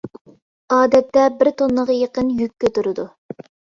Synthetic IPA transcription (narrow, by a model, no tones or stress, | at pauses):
ɑːd̪ɛt̪ːɛbɪɾt̪ʰonːəʁjeqənjykʲːøt̪yɾɪd̪u